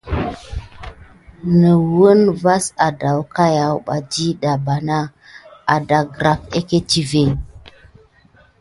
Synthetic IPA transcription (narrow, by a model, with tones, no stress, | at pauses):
nə˨wə˦nva˦sa˨da˨wka˦ja˨wɓa˨d͡ʒi˦ɗa˨ba˨na˦ | a˨da˨ɡɾa˨ke˦ke˦t͡ʃi˦ve˨